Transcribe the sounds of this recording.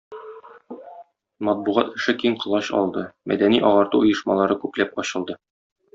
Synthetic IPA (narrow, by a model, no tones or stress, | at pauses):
mɒt̪̚buʁɑt̪ɘ̆ʃɘkimqɤ̆lˠɑɕɒ̰lˠd̪ɤmʔæ̰d̪æniʔɒʁɑɾt̪uŏjɤ̆ʃmɑlˠɑɾɤkʉplæp̚ɒɕɤ̆lˠd̪ɤ